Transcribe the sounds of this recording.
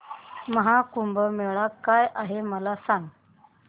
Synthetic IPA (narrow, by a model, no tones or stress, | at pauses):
məɦakumbəmeɭakːajʔaɦeməlasaŋɡ